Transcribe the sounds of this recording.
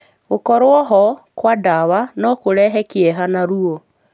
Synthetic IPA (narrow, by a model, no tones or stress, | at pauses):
ɣokɔɾwɔɦɔkwadaβanɔkoɾɛɦɛkjɛɦanaɾuo